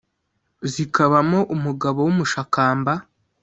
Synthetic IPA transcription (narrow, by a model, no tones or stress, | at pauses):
zikaβamo̞ʔumuɡaβo̞wumuʃakaːmba